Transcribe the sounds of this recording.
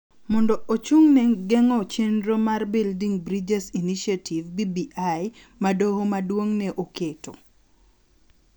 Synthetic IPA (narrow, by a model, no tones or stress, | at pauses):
mɔndɔʔot͡ʃuŋnɛɡɛŋɔt͡ʃenɾomarbildiŋbɾid͡ʒɛsiniʃatʰivbibiʔaj | madohomadwoŋnɛʔoketo